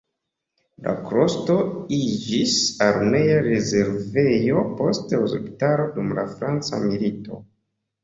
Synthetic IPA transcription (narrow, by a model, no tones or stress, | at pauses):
la̰kɾo̞sto̞id͡ʒisaɾme̞jaɾe̞ze̞ɾve̞jo̞po̞steozḛptaɾo̞dumla̰fɾant͡sa̰milito̞